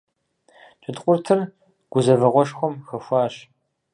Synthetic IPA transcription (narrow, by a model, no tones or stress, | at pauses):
t͡ʃʼɨdqʷʼʊrtʰɨr | ɡ̥ʷʊzɐvɐʁʷɔʂxʷɔmxɐfʷaːɕ